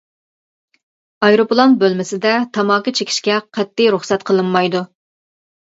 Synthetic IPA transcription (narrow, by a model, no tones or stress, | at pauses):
ɑjɾoplˠonbølmɪsɪd̪ɛt̪ʰɑmɑːkɨt͡ʃʰekʲʰi̥ʃkʲɛqʰɛt̪ːijɾuχsɛt̪qʰəlˠɨnːɑjd̪u